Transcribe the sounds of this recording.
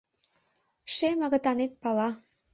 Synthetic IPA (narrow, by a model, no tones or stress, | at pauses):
ʃemɑɣɤ̆t̪ɑnet̪̚pɑlɑ